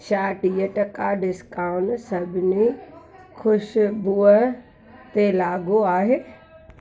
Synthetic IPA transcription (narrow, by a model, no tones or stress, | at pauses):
ʃaːʈiːəʈɐkaɖɪskaːʊɳsɐbʱɪni | xʰʊʃbuːə | t̪elaːɡoaːɦeː